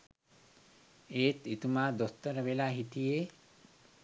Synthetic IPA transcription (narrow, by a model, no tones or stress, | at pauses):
eːt̪it̪umaːd̪ost̪ɐɾəʋelaːɦit̪ijeː